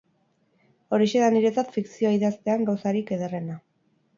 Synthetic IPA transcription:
o̞ɾiʃe̞ðaniɾe̞t͡sat̪fiksioaiðast̪e̞aŋɡawsaɾike̞ðere̞na

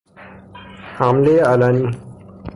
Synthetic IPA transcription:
hamlealani

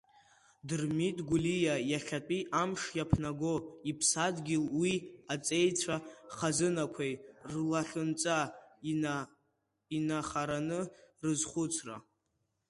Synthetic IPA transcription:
dɨrmitʼɡʷulijajaɬʲatʼiʔamʂjapʰnaɡoipʰsadɡʲɪlwiat͡sʼe̞jt͡sʷʰaχazɨnakʷʰejrlaɬɨnt͡sʼa | inaχaɾanɨrɨzχʷʊt͡sʰra̰

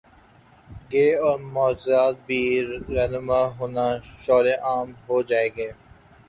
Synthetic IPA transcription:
ɡeːɔːɾmɔːd͡ʒzaːt̪̚bʱiːɾɛːnɪmaɦoːnaʃɔːɾẽʔaːmɦoːd͡ʒaːeːɡeː

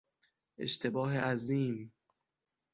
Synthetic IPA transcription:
ʔḛʃt̪ʰe̞bɒːɦeʔæziːm

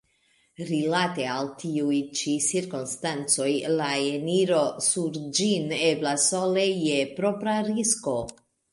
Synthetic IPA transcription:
ɾilate̞altʰiujt͡ʃisiɾkonstant͡so̞jlaeniɾo̞suɾd͡ʒineblasolejepɾopɾaɾisko̞

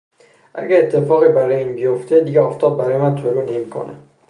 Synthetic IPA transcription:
ʔæɡæet̪ʰːefɒːɣiːbæɾɒːjeiːnbijoft̪ʰed̪iɡeɒːft̪ʰɒːb̚bæɾɒːjemænt̪ʰoɾuːne̞mikʰo̰nḛ

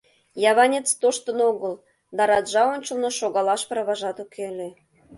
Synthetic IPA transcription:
jɑβɑnʲet͡st̪oʃt̪ə̆noɣəl | d̪ɑɾɑd̪ʒɑonʲt͡ɕə̆lnoʃoɣɑlɑʃpə̆ɾβɑʒɑt̪ukʰele

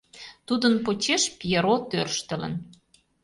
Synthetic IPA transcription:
t̪ud̪ənpot͡ɕeʃpijeɾot̪ørʃt̪ə̆lə̰̆n

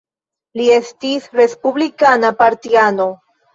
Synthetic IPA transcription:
lie̞stisɾe̞spublikanapaɾtiano̞

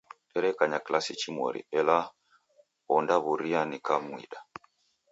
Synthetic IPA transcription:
ɛɾɛkaɲaklasit͡ʃimwɔ̰ɾḭɛla | ɔndaβuɾianikamwḭɗa

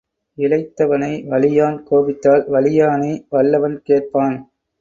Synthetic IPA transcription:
ɪlɐɪt̪ːɐʋɐnɐɪʋɐɭɪjaːnkoːʋɪt̪ːaːlʋɐɭɪjaːneɪʋɐɭːɐʋɐnkeːʈ̚paːn

